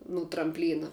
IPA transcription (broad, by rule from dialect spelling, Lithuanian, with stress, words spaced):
nʊ trɐmʲpʲˈlʲiːnɐ